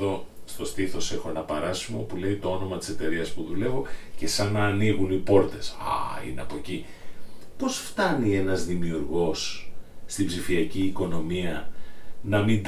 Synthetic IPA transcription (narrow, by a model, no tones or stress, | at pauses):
o̞st̪o̞st̪iθo̞se̞xonɐpɐɾɐsumopule̞it̪o̞ono̞mɐt̪i̥se̞t̪e̞ɾiɐspuðule̞vo̞ce̞sɐnɐːniɣunipo̞ɾt̪e̞sɐ̰ḭneɐpoci | po̞sft̪ɐnie̞nɐzðimiuɾɣo̞sːt̪ibzifiɐciːko̞no̞miɐ | nɐmind̪